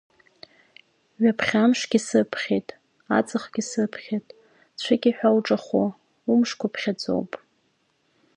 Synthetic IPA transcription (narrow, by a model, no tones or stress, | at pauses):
ɥapʰχʲamʂɡʲisɨpʰχʲejtʼ | a̰t͡sʼɨχɡʲisɨpʰχʲetʼ | t͡ɕʷʰɨkʲiħᶣawʈ͡ʂʼaχo̰ | umʂkʷʰapʰχʲad͡zo̰wpʼ